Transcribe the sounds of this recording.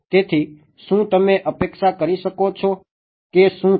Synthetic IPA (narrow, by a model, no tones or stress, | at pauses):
t̪eːt̪ʰiː | ʃũt̪əmẽʔəpekʃakəɾiʃəkot͡ʃʰo | keʃũ